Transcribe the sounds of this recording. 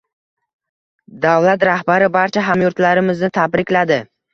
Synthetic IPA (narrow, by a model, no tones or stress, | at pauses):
d̪avlat̪ɾahbaɾɪbaɾt͡ʃʰaɦamjʊɾt̪laɾɪmɪznɪt̪ʰabɾɪkʲlad̪ɪ